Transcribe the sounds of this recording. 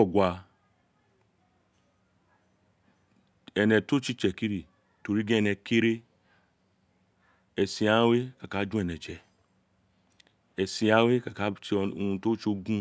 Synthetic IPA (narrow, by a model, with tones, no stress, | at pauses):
ɔ˨ɡʷa˨ | ɛ˨nɛ˨to˦t͡ʃi˦t͡ʃɛ˨ki˦ɾi˨ | to˨ɾi˦ɡẽ˦ɛ˦nɛ˨ke˦ɾe˦ | ɛ˨si˨a˦we˦ka˨ka˨˦d͡ʒũ˦ɛ˨nɛ˨t͡ʃɛ˨ | e˨si˨a˦we˦ka˨ka˦t͡ʃũ˧to˦t͡ʃo˦ɡũ˦